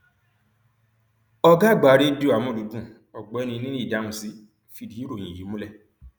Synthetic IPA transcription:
ɔ˧ɡa˦˨ɡ͡ba˨˦ɾe˦du˦˨a˨mũ˦˨lu˨˦bũ˦˨ | ɔ˨ɡ͡bɛ˨˦nĩ˧nĩ˦ĩ˦˨da˨˦ũ˧si˦ | fi˧˨di˨˦i˦ɾo˦˨j̃ĩ˨ji˨˦mũ˦lɛ˦˨

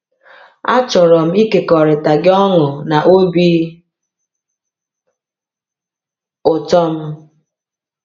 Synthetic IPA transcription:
a̰˦t͡ʃɔ˨ɾɔ˨m̩˦i˦ke˨kɔ˨ɾɪ˨ta˨ɡɪ˦ɔ˦ŋʊ˨na˨ʔo˦bi˦ | ʊ˨tɔ˦m̩˦

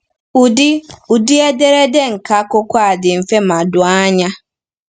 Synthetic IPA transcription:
u˨dɪ˦u˨di˦e˦de˦ɾe˦de˦ŋ̩˨ka˨˦kʊ˦kʷa˦˨dɪ˨m̩˨fe˦ma˨dʊ˨a˦ɲa˦

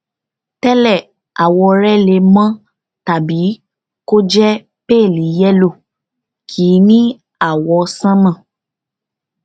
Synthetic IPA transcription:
tɛ˦lɛ˦˨ | a˨wɔ˧ɾɛ˦le˧mã˦ | ta˨bi˨˦ | ko˦d͡ʒɛ˦ | pe˦˨li˨˦jɛ˦lo˦˨ | kʰiː˨˦nĩ˦ | a˦˨wɔ˧sã˦nã˦˨

